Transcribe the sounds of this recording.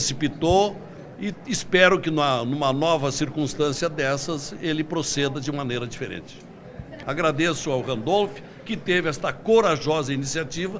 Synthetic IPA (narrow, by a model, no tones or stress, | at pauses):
esipit̪o | ɪɪspɛɾʊkɪnɐnũmɐnɔvɐsiɾkũst̪ɐ̃siɐd̪ɛsɐzelɪpɾosed̪ɐd͡ʒɪũmɐ̃nejɾɐd͡ʒifeɾḛ̃nt͡ʃɪ̥ | aɡɾad̪esʊawhɐ̃nd̪olfɪ̥ | kɪt̪evɪɛst̪ɐkoɾaʒɔzɐinisiat͡ʃivɐ